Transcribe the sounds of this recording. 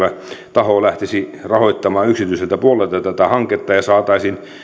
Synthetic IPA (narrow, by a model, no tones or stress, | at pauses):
ʋæt̪ɑhoːlæht̪esirɑhoit̪ːɑmɑːyksit̪yiselt̪æpuolelt̪ɑt̪æt̪æhɑŋket̪ːɑjɑsɑːt̪ɑisin